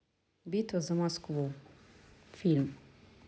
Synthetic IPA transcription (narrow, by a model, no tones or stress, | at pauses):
bit̪ɔzamɔskʋo | film